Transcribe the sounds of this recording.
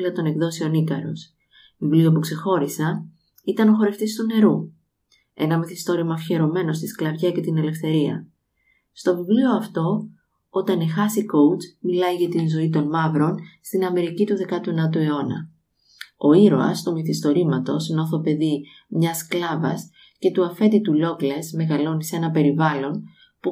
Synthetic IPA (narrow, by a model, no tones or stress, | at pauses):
lɐt̪o̞ne̞kðo̞sio̞nikɐɾo̞̰s | vivlio̞pukse̞xo̞ɾisɐ | it̪ɐno̞xo̞ɾe̞ft̪ist̪une̞ɾu | e̞nɐmiθist̪o̞ɾimɐfçe̞ɾo̞me̞no̞st̪isklɐvʝɐce̞t̪ine̞le̞fθe̞ɾiɐ̰ | st̪o̞vivlio̞ɐft̪o̞ | o̞t̪ɐnexɐsiko̞ut͡smilɐiʝɐt̪inzo̞it̪o̞nmɐvɾo̞nst̪inɐme̞ɾicit̪uðe̞kɐt̪uenɐt̪ue̞o̞nɐ̰ | o̞iɾo̰ɐ̰st̪omiθist̪o̞ɾimɐt̪o̞sno̞θo̞pe̞ði | mɲɐsklɐvɐ̰s | ce̞t̪uɐfe̞t̪it̪ulo̞klesme̞ɣɐlo̞niseenɐpe̞ɾivɐlo̞n | pu